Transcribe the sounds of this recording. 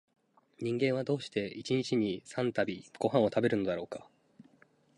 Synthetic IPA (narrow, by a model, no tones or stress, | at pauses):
ɲ̟ĩŋɡẽ̞ɰ̃ad̪o̞ːɕi̥t̪e̞it͡ɕiɲ̟it͡ɕiɲ̟isãnt̪abʲiɡ̥o̞ɦãɰ̃o̞t̪abe̞ɾɯ̟no̞d̪aɾo̞ːkḁ